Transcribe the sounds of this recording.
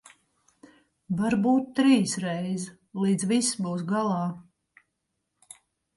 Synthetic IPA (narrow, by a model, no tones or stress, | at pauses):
vaɾbuːt̪ːɾiːsɾɛjz | lˠiːd̪zvisbuːsɡalˠɑː